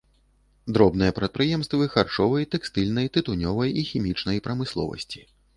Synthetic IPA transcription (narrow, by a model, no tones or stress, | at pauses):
d̪ɾɔbn̪ɨjɐpɾɐt̪̚pɾɨjɛmst̪vɨxart͡ʂɔvɐjt̪ɛkst̪ɨlʲn̪ɐjt̪ɨt̪unʲɔvɐjixʲimʲit͡ʂnɐjpɾɐmɨslˠɔ̰vɐ̰sʲt͡sʲi̥